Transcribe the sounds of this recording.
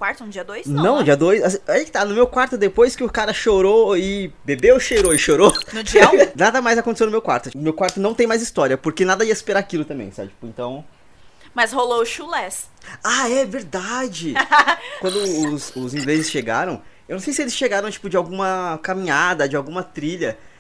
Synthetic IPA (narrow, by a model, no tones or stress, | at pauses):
kwaɾt̪ʊ̃d͡ʒiɐd̪ojsnɐ̃w̃d͡ʒiɐd̪ojsasiaikɪt̪anʊmewkwaɾt̪ʊd̪epojskɪʊkaɾɐʃoɾoɪbebewʃeɾoɪʃoɾonʊd͡ʒinad̪ɐmajzɐkõt̪esewnʊmewkwa̰ɾt̪ʊmewkwaɾt̪ʊnɐ̃w̃t̪ẽj̃majzist̪ɔɾiɐpoɾkenad̪ɐiɐspeɾaakilʊt̪ɐ̃mbḛ̃j̃sa̰bɪt͡ʃi̥pʊẽnt̪ɐ̃w̃ | mɐzholoʊʃulɛs | aɛveɾd̪ad͡ʒɪkwɐ̃nd̪ʊʊzʊzĩŋɡlezɪsʃeɡa̰ɾɐ̃w̃ewnɐ̃w̃sejsɪelɪsʃeɡaɾɐ̃w̃t͡ʃi̥pʊd͡ʒɪawɡũmɐkamĩɲad̪ɐd͡ʒɪawɡũmɐt̪ɾiʎɐ